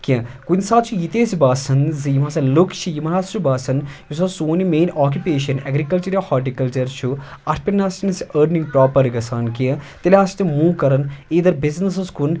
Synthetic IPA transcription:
kʲĩkunʲsaːt̪t͡ʃʰujit̪eːzibaːsɐnzijimaːsɐlukt͡ʃʰijimɐɾaːst͡ʃubaːsɐnjusasoːnimeːnʔaːk̬jupeːʃɐnɐɡɾikɐlt͡ʃɐɾjahɔːʈikɐlt͡ʃɐɾt͡ʃʰuɐʈʰpʲinaːsnɐsiʔəːɾniŋɡ̚pɾaːpɐɾɡɐsaːnkiɐt̪ilʲaːst̪imuːkɐɾɐniːd̪ɐɾbiznɐs̬ɐskun

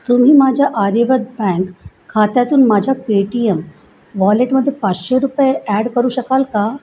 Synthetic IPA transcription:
t̪um̤iːmad͡ʑʱaʔaɾeʋəd̪̚bɛ̃ŋkʰː | at̪jat̪uːnmad͡ʑʱapeʈijəm | ʋɔleʈməd̪ʱːjepat͡sɕeɾupjeæɽkəɾuːɕəkalka

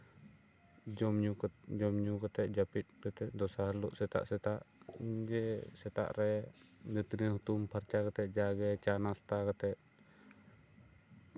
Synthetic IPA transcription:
d͡ʒɔmɲukd͡ʒɔmɲukət̪ɛʔd͡ʒapit̪̚kət̪ɛʔd̪ɔsalɔʔsɛt̪a̰ʔsɛt̪aʔd͡ʒɛsɛt̪a̰ʔɾɛd͡ʒɛt̪inihut̪umpʰaɾt͡ʃakət̪ɛʔd͡ʒaɡɛt͡ʃanast̪akət̪ɛʔ

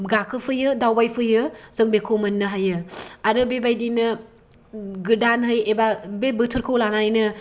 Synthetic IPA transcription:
ɡakʰɯpʰɯjɯdawbajpʰɯjɯzɯŋbekʰowmɐnːɯɦajɯaɾɯbebajdinɯ | ɡɯdanɦɯjebabebɯtʰɯɾkʰɯwlananjnɯ

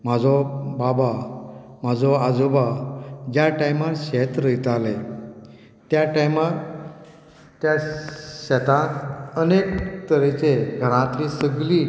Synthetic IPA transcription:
m̤ad͡zɔbabam̤ad͡zɔad͡zobad͡ʑjaʈajmaɾɕet̪ɾəit̪ale | t̪jaʈajmaɾ | t̪jaɕɛt̪ãt̪ənekt̪əɾet͡seɡʱəɽ̃ãt̪lisəɡli

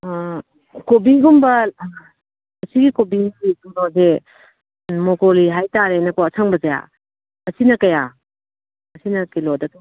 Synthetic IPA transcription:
kobiɡumbɐ | ɐsiɡikobiiduŋnɔze | mɔkoliɦajtaɾenɐkoɐsʰaŋbɐzɐja̰ | ɐsinɐkɐja | ɐsinɐkilɔdɐtɔ

